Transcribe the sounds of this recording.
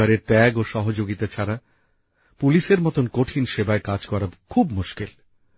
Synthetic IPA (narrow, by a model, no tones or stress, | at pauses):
aɾeɾt̪ɛɡoʃɔɦod͡ʑoɡit̪at͡ɕʰaɾa | puliʃeɾmɔt̪onkoʈʰinʃebaekad͡ʑkɔɾabkʰubmuʃkel